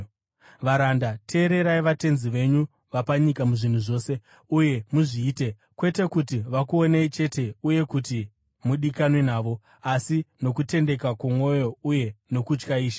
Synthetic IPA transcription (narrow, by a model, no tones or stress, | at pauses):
ʋaɾandatʰe̞ːɾe̞ɾaiʋate̞nziʋe̞ɲu | ʋapaɲikamuʐin̤uʐo̞ːse̞ | uje̞muʐiːte̞ | kwe̞te̞kutiʋakuoneit͡ʃe̞te̞uje̞kuti | muɗikanwinaːʋo̞ | asino̞kute̞nde̞kakumwo̞jo̞uje̞no̞kut͡ʃkaiːʃḁ